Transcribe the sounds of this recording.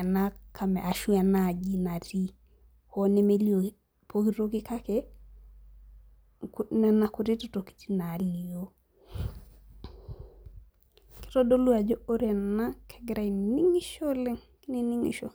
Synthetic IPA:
na˦ka˨me˨ʔa˨ʃu˦a˨na˦˨d͡ʒi˦na˨ti˦ | ho˦ne˦me˦lio˨ | pokito˦ki˦ka˦ke | kne˨nakuɾi˦to˨to˨ki̥˨ti˦na˨li˨jo | ki̥˦to˦do˦lu˦a˨d͡ʒo˦o˦ɾe˨na˦kʰe̥˨ɡi˦ɾa˨ini˦ŋi˦ʃo˦le˦ŋ˦ | ni˦ni˦ŋḭ˨ʃo˨

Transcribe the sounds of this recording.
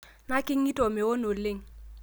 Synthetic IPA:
na˦kɪ˦ŋːi˦tɔ˨mɛ˨wo˦no˨lɪ˦ŋ

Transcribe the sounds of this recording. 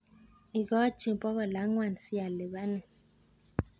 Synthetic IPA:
i˨kɔ˦t͡ʃi˨mpɔ˦ɣɔ˨la˨˦ŋwa˨n˨si˦ja˨le˨ba˦nɛ˨

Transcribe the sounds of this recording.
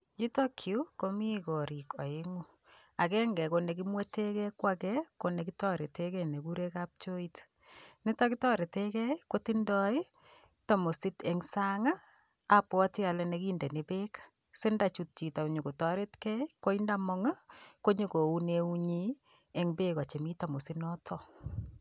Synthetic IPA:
ji˦to˦kʰju˦ko˦mi˦kɔ˨ɾi˨kɔ˨i˦ŋu | a˨kɛ˦ŋɡɛ˨kone˨k̬imwe˦te˦kɛ˦kwa˦kɛko˨ne˨kitɔ˦ɾe˨tekɛ˦ne˨ku˦ɾe˦kap̚t͡ʃo˦it | ni˦ta˦kitɔ˦ɾe˨tekɛ˦kotindɔ˦i˦ | ta˨mo˨si˦tɛ˨ŋsa˦ŋaː˦˨ | pwɔ˦ti˦a˨lɛne˨ki˦nde˨ne˨be˦kḁ | se˦nda˨t͡ʃut̚t͡ʃi˨ta˨u˨ɲo˨ku˨tɔ˨ɾe˦tkɛ˦i˦ko˦inda˦mɔŋa˦ko˦ɲo˦ko˨u˦neu˦ɲi | e˨ŋbe˦ka˨t͡ʃe˨mi˦ta˨mo˨si˦nɔ˦tʰɔ

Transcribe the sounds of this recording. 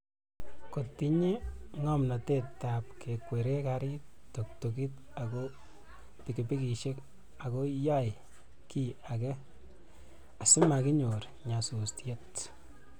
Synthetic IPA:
kotːi˦ɲi˦ŋɔ˦mnɔ˨te˦ta˨p̚kʰe˨kwe˨ɾe˦kaɾɪt | to˨k̚tok̬i˦t | a˨ko˦ | piki˨pi˦ki˨ʃe˦k | a˨ko˦ja˦j | ki˨a˨kɛ˦ | a˨sɪ˦ma˨ki˦ɲo˨ɾ | ɲa˨su˨stje˦t

